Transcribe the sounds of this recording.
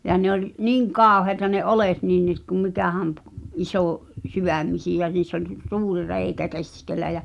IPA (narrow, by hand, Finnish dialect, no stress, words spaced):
jɑ ne olʲ niːŋ kɑˑoheĭtɑ ne olet nin niː t kum mikæˑhæm p̆ ʔisoˑ syʋæˑmːisijæ niːsː olʲ suːri reikæ keskelˑæ jæ